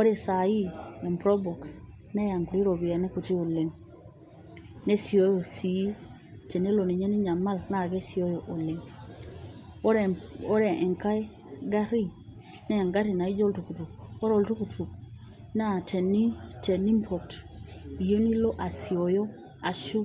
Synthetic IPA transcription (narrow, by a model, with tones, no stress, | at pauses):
ɔ˦ɾe˨sa˨i˦ɛ˨mpɾɔ˦bɔ˨ks | nɛ˦ja˨ŋku˨ɾi˦ɾo˨βi˨a˨nɛ˦ku˨ti˦o˨le˨ŋ | ne˦si˨o˦jo˨si˨˦ | tɛ˨ne˦lo˨ni˨ɲɛ˦ni˦ɲa˨ma˦lna˦˨ɡɛ˦si˨ɔ˦jɔ˨ʔo˨le˨ŋ˦ | ɔ˦ɾɛ˨ʔɛ˨ŋka˦e˦ | ɡa˦ɾi˦ | nɛ˦ja˨ŋɡa˦ɾi˨na˨i˦d͡ʒɔ˦ltu˨ku˨tu˨k̚ɔ˦ɾo˨ltu˦ku˨tu˨k̚ | na˦˨tɛ˨ni˦tɛ˨ni˦mpʰɔ˨t | i˨jo˦ni˦lɔ˦ʔa˨si˨ɔ˨jɔ˦ | a˨ʃu˦